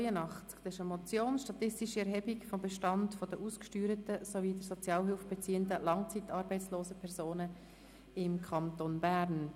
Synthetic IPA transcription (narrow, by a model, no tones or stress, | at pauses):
jənɑχt͡skd̥̪ɑsɪʃəmɔt͡sjoːnʃtɑt̪ɪstiʃiɛɾɦɛbikfɔmbɛʃtɑntfɔd̥əʔuːskʃtyːɾətəsoviːdəɾsɔt͡sjɑːlɦʏlfb̥et͡siːəndəlɑŋt͡siːt̪ɑːɾbɛɪt͡ssloːsəpʰɛɾzoːnə | ɪmkʰɑnt̪onbæːɾn